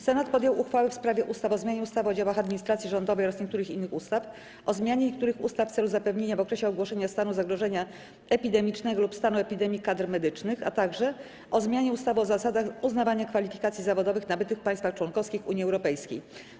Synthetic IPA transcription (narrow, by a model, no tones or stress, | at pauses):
sɛnat̪̚pɔd̪ʲjɔwʔuxfawɛfspɾavʲjɛʔust̪afɔzmʲaɲɛust̪avɔd͡ʑawaxad̪mʲiɲist̪ɾat̪sʲjiʐɔnd̪ɔvɛjɔɾasɲekt̪uɾɘxinːɘxust̪af | ʔɔzmʲjaɲɛɲɛk̚t̪uɾɘxṵst̪aft̪sɛluzapɛvɲeɲavɔkɾɛɕɛɔɡwɔʂɛɲast̪anuzaɡɾɔʐɛɲa | ɛpʲid̪ɛmʲit͡ʂnɛɡɔlupst̪anuɛpʲid̪ɛmʲikad̪ɾmɛd̪ɘt͡ʂnɘxa̰t̪aɡʐɛ | ʔɔzmʲjaɲɛust̪avɛɔzasad̪axuznavaɲakfalʲifʲikat̪sʲjizavɔd̪ɔvɘxnabɘt̪ɘfpaɲj̃st̪faxt͡ʂwɔnkɔfskʲixṵɲjiɛwɾɔpɛjskʲḛj